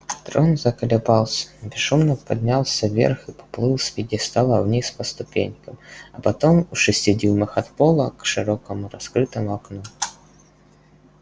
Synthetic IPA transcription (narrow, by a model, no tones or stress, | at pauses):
t̪ɾonzɐkəlʲɪbɑlˠsʲə̥bʲɪʂumnəpɐd̪ʲnʲalˠsʲəvʲḛrxɨpɐ̥plˠɨlˠsʲvʲɪdʲist̪alˠəvnʲispɐst̪ʊpʲenʲkəmɐpɐt̪omʊʂɨsʲtʲɪdʲilˠmɨxɐt̪polˠəkʂɨɾokəmʊɾɐskɾɨt̪əmʊɐknu